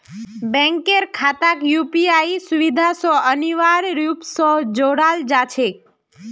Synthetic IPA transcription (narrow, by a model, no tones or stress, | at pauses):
bɛ̃ŋkeɾkʰat̪akjupiaisuʋid̪ʱasɔəniʋaɾɾjupsɔd͡ʒoɽald͡ʒat͡ʃʰek̚